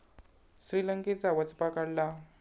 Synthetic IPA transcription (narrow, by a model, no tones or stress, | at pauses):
ɕɾiləŋket͡saʋət͡spakaɽla